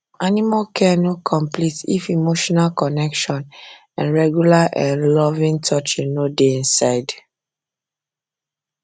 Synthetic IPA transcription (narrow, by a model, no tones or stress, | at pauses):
animalkʰɛnɔkʰɔ̃mplitḭfimoʃɔnalkɔnɛkʃɔ̃n | ã̰nɹɛɡjulaʔɛ̃nlɔvĩŋtʰɔt͡ʃinodeĩnsaɪd